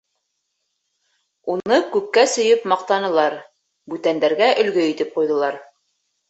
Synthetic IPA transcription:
unɤkʉpːæsɵ̆jɵpmɑq̚t̪ɑnɤ̆lˠɑɾ | bʉt̪ænd̪æɾɡæʔɵ̆lɡɵit̪ɘp̚qujðɤ̆lˠɑɾ

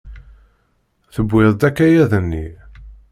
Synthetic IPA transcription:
θəbːɪðˤd̪ækːæjæðənːi

